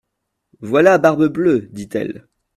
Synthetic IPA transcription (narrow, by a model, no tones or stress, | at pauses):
vwalabaʁbəblød̪it̪ɛ̰l